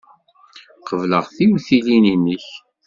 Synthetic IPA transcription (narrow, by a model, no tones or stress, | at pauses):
qəvləʁθiwθilininəç